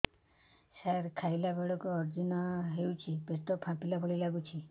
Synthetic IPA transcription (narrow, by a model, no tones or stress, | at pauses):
saɾkʰajlabeɭɔkuɔɾd͡ʒinɔɦewt͡ʃʰipest̪ɔpʰãpilabʱɔɭilaɡut͡ʃʰi